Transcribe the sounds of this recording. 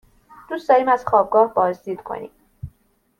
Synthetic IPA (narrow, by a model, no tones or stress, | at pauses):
d̪̥uːsd̪ɒːɾiːmæzxɒːb̚ɡɒːhbɒːzd̪iːd̪̥kʰo̰nḭːm